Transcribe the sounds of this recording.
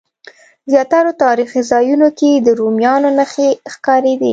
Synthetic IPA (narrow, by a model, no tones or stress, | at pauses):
zjɑt̪aɾot̪ɑɾixizɑjunoked̪əɾomjɑnonəxexkɑɾed̪ḭ